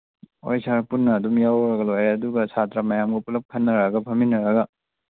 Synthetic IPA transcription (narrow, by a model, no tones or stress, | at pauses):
o̰jsaɾpunːɐːdumjawɾɐɡɐlojɾeɐduɡɐsatɾamɐjamɡupulɐk̚kʰɐnːɐɾɐɡɐpʰɐminɐɾɐɡɐ